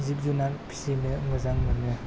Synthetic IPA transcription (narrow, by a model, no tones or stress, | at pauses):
zip̚zunanpʰi̥sinɯmɯzaŋmɯnɯ